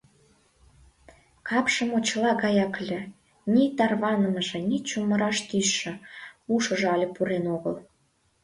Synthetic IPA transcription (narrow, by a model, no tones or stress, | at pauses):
kɑpʃəmot͡ɕlɑɣɑjɑklʲĕ | nʲit̪ɑrβɑnəməʒĕnʲit͡ɕuməɾɑʃt̪yʃːə̆uʃə̆ʒeɑlʲə̆puɾenoɣəl